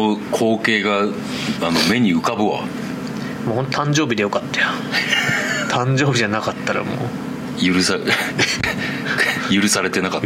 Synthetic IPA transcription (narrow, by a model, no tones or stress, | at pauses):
okʰo̞ːke̞ːɡa | anome̞ɲ̟iɯ̟kabɯ̟βa̰ | moːɦont̪ot̪ʰãɲ̟d͡ʑo̞ːbʲid̪e̞jo̞kat̪ːḁjo | t̪ʰãɲd͡ʑo̞ːbʲiʑanakat̪ːaɾa̰mo̰ː | jɯɾɯ̟sa | jɯ̟ɾɯ̟saɾe̞t̪e̞nakat̪ː